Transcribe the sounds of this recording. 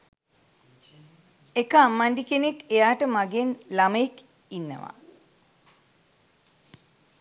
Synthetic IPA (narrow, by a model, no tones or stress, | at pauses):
ekːaːmːaɳɖikenekːejaːʈəmaɡenlaməjek | inːə̰ʋa̰